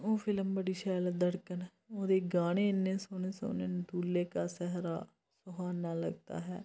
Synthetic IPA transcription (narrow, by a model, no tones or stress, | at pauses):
oːpʰɪləmbəɽiːʃɛːld̪əɽkən | oːd̪eːɡaːɽ̃eːɪnːẽːsoːneːso̰ːneːnd̪uːlːeːkaːsɛɦɾaː | sʊɦaːnaːlə̰ɡ̚t̪a̰ːɦɛ̰ː